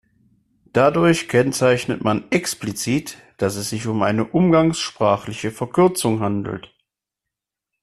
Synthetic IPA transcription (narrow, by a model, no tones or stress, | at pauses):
d̥adʊɐçkʰɛnt͡saɪçnətmanɛksplit͡siːt | d̥asɛsz̥ɪçʊmʔa̰ɪnəʔʊmɡaŋsʃpʁ̥aːχlɪçəfɛɐkʰʏɐt͡sʊŋɦandl̩t